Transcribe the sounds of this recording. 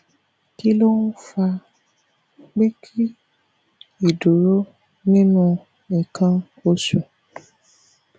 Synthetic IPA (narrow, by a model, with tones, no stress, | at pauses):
ki˦lo˦nũ˦fa˧ | ɡ͡be˦kʰi˦ | i˨du˨ɾo˦ | nĩ˦nũ˦ | ĩ˨kʰã˧ | o˦su˨